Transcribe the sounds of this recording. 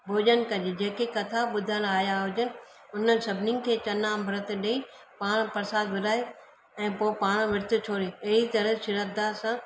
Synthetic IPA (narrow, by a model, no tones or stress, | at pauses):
bʱoːd͡ʑənkɐd͡ʑed͡ʑeːkekɐt̪ʰaɓʊd̪ʱəñaːjaɦʊd͡ʑənɪ̆ | ʊnəɪ̆sɐbʱɪnɪ̆kʰeːt͡ɕɐnambʱɾət̪̆ɗei | paːɽ̃pɐɾsaːd̪ʋɪɗaːe | ɛ̃ːpoːpaːɽ̃ʋɪɾt̪ʰʊ̆t͡ɕʰoːɾeɐɦit̪ɐɾəsɪɾəd̪asãː